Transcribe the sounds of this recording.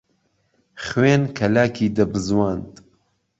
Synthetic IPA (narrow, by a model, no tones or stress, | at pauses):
χweːnkʰɐlaːkʰiːd̪ɐbɨzwaːnd̪